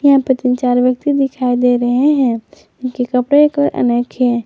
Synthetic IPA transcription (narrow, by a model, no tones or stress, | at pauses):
jɐɦãpɾət̪ɪnt͡ʃaːɾʋjək̚t̪id̪ɪkʰaid̪eɾəɦeɦɛ̃ | ɪnkekəpɾekəɾʔə̰nəkʰjɛ